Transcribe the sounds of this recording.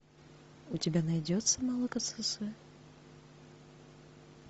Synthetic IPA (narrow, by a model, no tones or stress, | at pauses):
utʲɪbʲanajd͡zʲɔt̪sːɐmalˠɐkɐnt̪sɛsɨjɛ